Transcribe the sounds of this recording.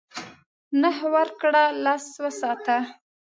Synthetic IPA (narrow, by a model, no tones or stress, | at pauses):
nəɦwaɾkɽalaswasɑt̪a